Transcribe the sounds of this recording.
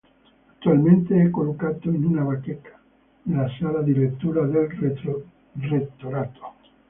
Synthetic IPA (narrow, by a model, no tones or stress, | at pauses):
at̪ːualmẽnt̪eɛkːolokat̪oinunaβakekʰḁ | nelasalad̪ilet̪ːuɾad̪el | ret̪ːoɾat̪ʰo̥